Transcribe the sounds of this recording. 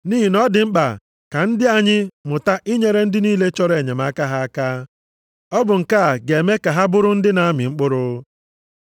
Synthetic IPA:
niː˦ɦi˨nɔ˦dɪ˨ŋ͡m̩˦k͡pa̰˨ | ka˨n̩˦dɪ˦a˨ɲɪ˦mʊ˨ta˦ʔi˦ɲe˦ɾe˦n̩˦dɪ˦niː˦le˦t͡ʃɔ˦ɾe˨ɲe˨ma˦ka˦ɦa˦a˦kaː˦ | ɔ˦bʊ˨ŋ̩˨ka˦a˨ɡe˨e˨me˦ka˨ɦa˦bʊ˦ɾʊ˦n̩˦dɪ˦na˨a˦mɪ̰˨ŋ͡m̩˦k͡pʊ˦ɾʊ˦

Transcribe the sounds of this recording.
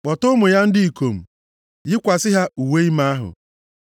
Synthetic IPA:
k͡pɔ˨tʊ˦ʊ˦mʊ˨ja˦n̩˦dɪ˦i˨ko˨m̩˨ | jɪ˦kʷa˨sɪ˦ɦa˦u˨we˦i˦ma˦a˦ɦʊ̰˨

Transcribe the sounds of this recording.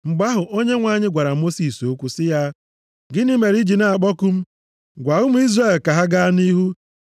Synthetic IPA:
ŋ͡m̩˨ɡ͡ba˦ɦʊ˨ʔo˦ɲe˦ŋʷa˨ɲɪ˦ɡʷa˨ɾa˨mo˦si˨so˦kʷu˦sɪ˦ja˦ | ɡɪ˦ni˦me˨ɾi˦d͡ʒi˨na˨k͡pɔ˦ku˦m̩˦ | ɡʷa˨ʊ˦m̩˦i˦zre˦˨lka˨ɦa˦ɡa˦ni˦ɦu˦

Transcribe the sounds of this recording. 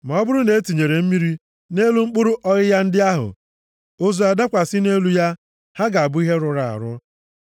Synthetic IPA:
ma˨ɔ˦bʊ˦ɾʊ˦ne˨e˦ti˨ɲe˨ɾe˨m̩˦mi˦ɾi˦ | ne˦lu˦ŋ͡m̩˦k͡pʊ˦ɾʊ˦ʔɔ˦ɣɪ˦ja˦n̩˦dɪ˦a˦ɦʊ̰˨ | o˦zu˨a˨da˦kʷa˨sɪ˦ne˦lu˦ja˦ | ha˦ɡa˨a˨bʊ˦i˦ɦe˦ɾʊ˨ɾa˨a̰˨ɾʊ˦

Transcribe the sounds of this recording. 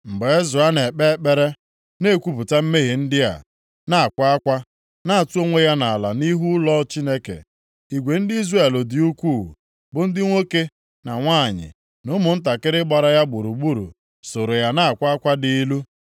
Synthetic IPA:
m̩˨be˨e˦zʊ˨a˦ne˨k͡pe˦k͡pe˦ɾe˦ | ne˦˨kʷu˦pʊ˨ta˦m̩˦me˦ɦe˨n̩˦dɪ˦ja̰˨ | na˦˨kʷa˦a˦kʷa˦ | na˦a˨tu˦o˦ŋʷe˦ja˦na˨la̰˨ni˦ɦu˦lɔ˦t͡ʃi˦ne˦kḛ˨ | i˨ɡʷe˨n̩˦dɪ˦i˦zre˦˨lʊ˨dɪ˨u˦kʷu˦˨ | bʊ˨n̩˦dɪ˦ŋʷo˦ke˦ | na˨ŋʷaː˦˨ɲɪ̰˨ | nʊ˦mʊ˨n̩˦t̬a˨kɪ˦ɾɪ˦ɡ͡ba˨ɾa˦ja˦ɡ͡bu˨ɾu˨ɡ͡bu˦ɾṵ˨ | so˨ɾo˨ja˦na˦a˨kʷa˦a˦kʷa˦di˨˦lu˦

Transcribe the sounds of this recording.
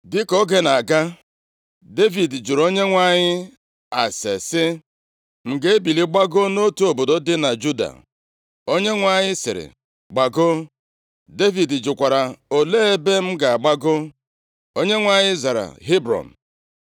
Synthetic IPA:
dɪ˦kɔ˦ɡe˦na˨ɡa˦ | de˦vi˨dd͡ʒu˨ɾo˦ɲe˦ŋʷa˦ɲɪ˦ | a˨sḛ˨sɪ˦ | m̩˨ɡe˦e˦bi˨li˦ɡ͡ba˦ɡo˦no˦tu˨o˨bo˨do˦dɪ˦na˨d͡ʒu˦da̰˨ | o˦ɲe˦ŋʷa˨ɲɪ˦sɪ̰˨ɾɪ̰˨ | ɡ͡ba˨ɡʊ˦ | de˦vi˨dd͡ʒʊ˨kʷa˨ɾa˨o˨leː˦e˦be˦m̩˦ɡa˨a˨ɡ͡ba˦ɡʊ˦ | o˦ɲe˦ŋʷa˨ɲɪ˦za˨ɾa̰˨ɦi˦bɾɔ̰˨n̩˨

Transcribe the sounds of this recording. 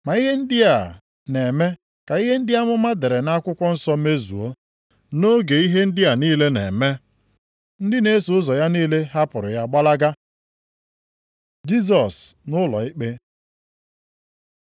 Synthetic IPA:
ma˨i˦ɦe˦n̩˦dɪ˦a˨ | ne˨me˦ | ka˨i˦ɦe˦n̩˦dɪ˦a˦mʊ˦ma˦de˨ɾe˨na˦kʷʊ˦kʷɔ˦n̩˦sɔ˦me˦zṵ˨o˦ | no˦ɡe˨i˦ɦe˦n̩˦dɪ˦a˨niː˦le˦nḛ˨me˦ | n̩˦dɪ˦ne˦su˨ʊ˦zɔ˨ja˦niː˦le˦ɦa˦pʊ˨ɾʊ̰˨ja˦˨ɡ͡ba˦la˦ɡa˦ | d͡ʒi˦s̬ɔ˨snʊ˦lɔ̰˨ɪ˦k͡pe˦

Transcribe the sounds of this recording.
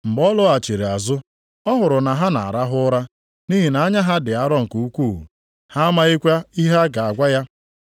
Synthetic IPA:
m̩˨bɔ˦lʊ˦a˨t͡ʃe˨ɾe˨a˨zʊ˦ | ɔ˦ɦʊ˨ɾʊ˨na˨ɦa˦na̰˨a̰˨ɾa˦ɦʊ˦ɾa˦ | ni˦ɦi˨na˨a˦ɲa˦ɦa˦dɪ˨a˦ɾɔ˦ŋ̩˨ku˨u˦kʷuː˦˨ɦṵ˨ | ha˦a˦ma˦i˦kʷa˦i˦ɦa˦ɡa˨a˨ɡʷa˦ja˦

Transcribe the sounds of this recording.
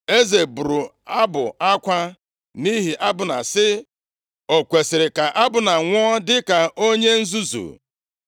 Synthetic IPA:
e˦ze˨bu˨ɾu˨ | a˦bʊ˨a˦kʷa˦ | ni˦ɦi˨ʔa˦bʊ˨na̰˨sɪ˦ | o˨kʷe˨sɪ˨ɾɪ˨ka˨ʔa˦bʊ˨na˨ŋʷɔ˦dɪ˦ka˨o˦ɲe˦n̩˦zu˦zṵ˨

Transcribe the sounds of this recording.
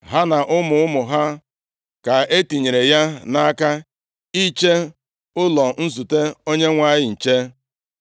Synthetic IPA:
ɦa˦na˨ʔʊ˦mʊ˨ʊ˦mʊ˨ɦa˦ | ka˨e˦ti˨ɲe˨ɾe˨ja˦na˦ka˦ | i˦t͡ʃe˦ | ʊ˦lɔ˨n̩˦zu˨te˦o˦ɲe˦ŋʷa˦jɪ˦˨n̩˨t͡ʃe˦

